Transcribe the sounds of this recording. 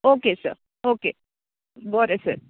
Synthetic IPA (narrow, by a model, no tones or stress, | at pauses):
oːkesə̰ɾ | oke | bɔɾesə̰ɾ